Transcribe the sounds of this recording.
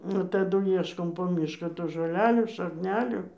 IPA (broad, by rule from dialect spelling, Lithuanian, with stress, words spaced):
nʊ tɐˈdʊ ˈiɛʃkoːm poː ˈmʲiːʃkɑː tuː ʒoːˈlʲæːlʲuː ʃɐkˈnʲæːlʲuː